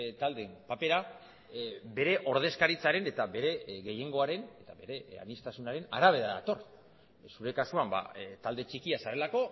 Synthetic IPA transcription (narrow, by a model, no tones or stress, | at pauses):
t̪ald̪e̞mpape̞ɾa | be̞ɾe̞ʔo̞ɾð̞e̞skaɾit͡saɾe̞ne̞t̪aβe̞ɾe̞ɣe̞je̞ŋɡo̞aɾe̞ne̞t̪aβe̞ɾe̞a̰nist̪asunaɾe̞na̰ɾaβe̞ðaða̰t̪o̞r | suɾe̞kasuamba̰t̪ald̪e̞t͡ʃikiasaɾe̞lako̞